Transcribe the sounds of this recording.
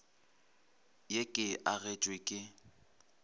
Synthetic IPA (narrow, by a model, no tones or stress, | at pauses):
jekʼɪʔaɣɛt͡ʃʼwekʼɪ